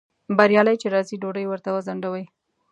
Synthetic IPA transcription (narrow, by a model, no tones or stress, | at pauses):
baɾjɑləjt͡ʃeɾɑziɖoɖəjwəɾt̪awəzaɳɖawəj